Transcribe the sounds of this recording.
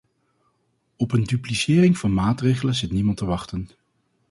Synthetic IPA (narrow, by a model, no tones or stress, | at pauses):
ɔpəndyplisɪːrɪŋv̥ɑnmaːtrejχələnzɪtnimɑntəʋɑχtən